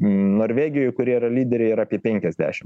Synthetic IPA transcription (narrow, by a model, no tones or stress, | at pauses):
noːɾʲʋʲeːɡʲɪjojkʊɾʲiɛiɾɐlʲiːd̪ʲɛɾʲɛiɾɐːpʲiɛpʲɛŋʲkʲɛzʲd̪ʲæ̰ːʃʲɪm